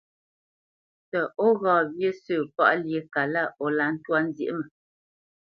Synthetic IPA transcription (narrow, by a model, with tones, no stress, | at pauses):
tə˨ʔo˦ɣɔː˨bje˦səː˦˨pa̰˦˨ʔlje˨˦ka˨la˦˨ʔɔ˨la˨˦n̩˦twa˦n˦zjḛ˨ʔmə˨